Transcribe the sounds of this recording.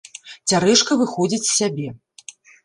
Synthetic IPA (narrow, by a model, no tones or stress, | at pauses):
t͡sʲaɾɛʂkɐvɨxɔd͡zʲit͡sʲsʲabʲɛ